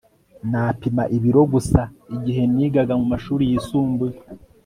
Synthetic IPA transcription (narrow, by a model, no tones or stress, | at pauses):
naːpimaʔiβiɾo̞ɡusaiɟiɦe̞niːɡaɡamumaʃuːɾijisuːmbe